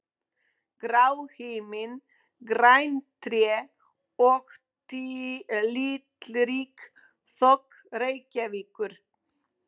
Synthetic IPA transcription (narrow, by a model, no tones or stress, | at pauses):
ɡɾawheːmɪn | ɡɾajnt̪ɾjɛ | ɔɣ | t̪ilit̪lɾiːk | θɔk | ɾejcaviːkʏɾ̥